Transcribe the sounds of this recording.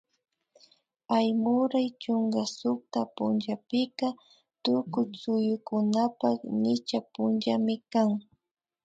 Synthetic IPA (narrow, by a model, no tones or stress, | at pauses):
pajmʊɾajt͡ʃʊŋɡasʊk̚t̪apʊnʒapɪka | t̪ʊkʊjsʊjʊkʊnapaknɪt͡ʃapʊnd͡ʒamɪkaŋ